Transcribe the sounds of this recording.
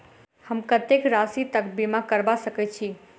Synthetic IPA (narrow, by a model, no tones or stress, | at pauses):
həmkət̪ekɾasit̪əkbimakəɾbasəkɛt̚t͡ʃʰi